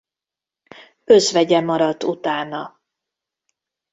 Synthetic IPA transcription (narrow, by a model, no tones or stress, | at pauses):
ø̞zvɛɟɛmɒɾɒt̪ːut̪aːnɒ